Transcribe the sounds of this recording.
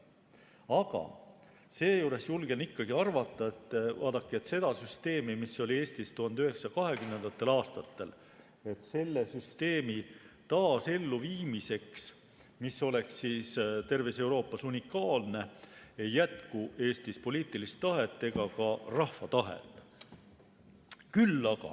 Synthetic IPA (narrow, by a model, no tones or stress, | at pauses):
ɑɡ̥ɑ̰ | se̞ːjuːɾe̞sjulɡ̥enikːɑɡ̥iɑrvɑt̪ːˑɑe̞t̪ːvɑːd̪ɑkːˑie̞t̪se̞d̪̥ɑsyst̪e̞ːmimiso̞lʲie̞ːsʲt̪ist̪uhɑnd̪yɦe̞ksɑkɑɦe̞ɡymnend̪̥ɑt̪ːˑe̞lɑːst̪ɑt̪ːe̞l | e̞t̪se̞lːe̞syst̪e̞ːmi | t̪ɑːse̞lːuviːmise̞ks | miso̞le̞ksːiːst̪e̞rvise̞uwɾo̞ːpːˑɑsunʲikːˑɑːlne̞ejːæt̪kuʔe̞ːst̪ispo̞liːt̪ˑilist̪ːɑɦe̞t̪ːe̞ɡ̥ɑkɑrɑhfɑt̪ɑɦḛt̪ːˑ | kylːɑɡ̥ɑ̰